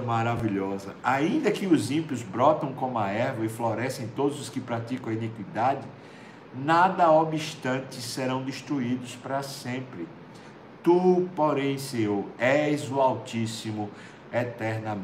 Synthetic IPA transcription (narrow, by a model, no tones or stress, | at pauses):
maɾaviʎɔzɐaĩnd̪ɐkɪʊzĩpiʊzbɾɔt̪ɐ̃w̃kõmaɛɾvɐɪflɔɾɛsẽj̃t̪od̪ʊzʊskɪpɾat̪ikɐ̃w̃ɐinikwid̪ad͡ʒɪ | nad̪ɐobiʃt̪ɐ̃t̪ɪsseɾɐ̃w̃d̪eʃt̪ɾuid̪ʊspɾɐsẽmpɾɪ | t̪upoɾẽj̃sewɛzuawtisimʊ | ɛt̪ɛɾnɐm